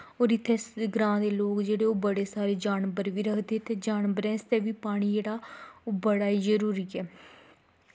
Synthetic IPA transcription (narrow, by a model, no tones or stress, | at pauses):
oːɾɪt̪ʰːeɡɾãːd̪eːloːkd͡ʒeːɽeːoːbəɽeːsaːɾeːd͡ʒaːnbəɾʋiːɾəkʰd̪eːt̪ʰːeːd͡ʒaːnbəɾɛ̃ːst̪eːʋiːpaːɽ̃iːd͡ʒeːɽaːbəɽaːiːzəɾuːɾiːɛː